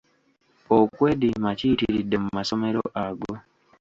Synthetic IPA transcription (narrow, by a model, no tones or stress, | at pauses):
ɔkweɗimat͡ʃitiɾidəm̩mːasɔmɛɾɔʔaɡo